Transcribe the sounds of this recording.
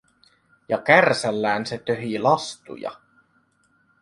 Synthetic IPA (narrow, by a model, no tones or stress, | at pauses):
jɑkærsælːæːnset̪øɦilɑst̪ṵjɑ̰